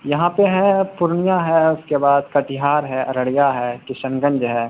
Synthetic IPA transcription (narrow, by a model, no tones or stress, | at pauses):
jɐɦãpeɦɛ̃pʊɾɳijaɦɛʊskebaːd̪kat̪ɪɦaːɾɦɛʔɐɾɐɽijaɦɛkɪʃə̃ŋɡə̃nd͡ʒɦɛː